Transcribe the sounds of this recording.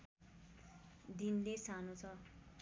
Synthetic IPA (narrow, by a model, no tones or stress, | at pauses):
d̪inlesanot͡sʰʌ